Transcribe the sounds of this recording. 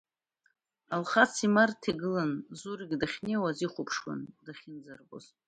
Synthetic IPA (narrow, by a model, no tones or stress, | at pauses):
alχat͡sʰimartʰiɡɨlanzuriɡʲdaχʲnewaziχʷʊpʰʂwa̰ndaχʲɪnd͡zarbo̰z